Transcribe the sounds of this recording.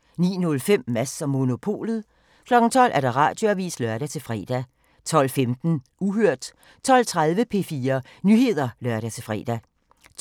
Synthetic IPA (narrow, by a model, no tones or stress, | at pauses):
nḭːnɔ̽lfem̰mæsɒ̽mːo̝no̝pʰo̝̰ːlð̩ˠ | kʰlɒ̽ɡ̥n̩t͡sʰɒ̽l̰ʔæɐd̥ɑ̈ʁɑ̰̈ːd̥jo̝æʋḭːslœɶɐɾ̥æt͡sʰe̝lfʁɛ̰ːd̥æ | t͡sʰɒ̽l̰femd̥n̩ | uɦøɐ̰d̥ | t͡sʰɒ̽l̰t͡sʰʁað̞ˠʋəpʰe̝̰ːfiːɐ | nyhe̝ð̞̰ˠɐlɶɐɾ̥æt͡sʰe̝lfʁɛ̰ːd̥æ